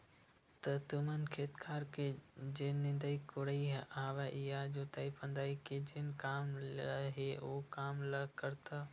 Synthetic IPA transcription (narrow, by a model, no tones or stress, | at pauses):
t̪ɐt̪ʊmən̆kʰeːt̪kʰaːɾkʰed͡ʑeːnɪ̃nd̪əikʊɽəiɦaːʋaʔɪɦad͡ʑoːt̪aːipə̃nd̪aːiked͡ʑeːnkaːmlɦeʔokaːmlɐkɐɾt̪ʰa